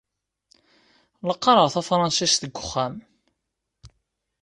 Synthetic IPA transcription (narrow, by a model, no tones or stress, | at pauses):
ləqːɑɾˤəʁθæfɾˤɑnsisθəɡʷːʊχːæm